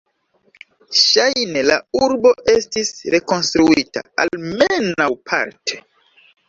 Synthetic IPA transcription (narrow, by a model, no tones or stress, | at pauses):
ʃajne̞la̰uɾbo̞ʔe̞stisɾe̞ko̞nstɾuita̰almenawpʰa̰ɾtʰe̞̥